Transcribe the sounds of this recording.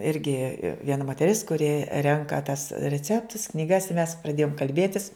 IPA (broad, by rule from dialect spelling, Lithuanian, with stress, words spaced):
ˈɪrʲɡʲɪ ʋʲiɛˈnɐ moːtʲɛˈrʲɪs kʊˈrʲɪ ˈrʲɛŋkɐ tɐs rʲɛˈt͡sʲæːptʊs knʲiːˈɡɐs ɪ mʲɛs prɐˈdʲeːjoːm kɐlʲˈbʲeːtʲɪs